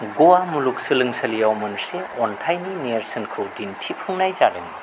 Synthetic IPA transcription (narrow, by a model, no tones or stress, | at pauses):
ɡuwamuluk̚sɯlɯŋsɐlijawmɯnseɔntʰajnineɾsɐnkʰɯwtintʰip̚ʰuŋnajzaɾen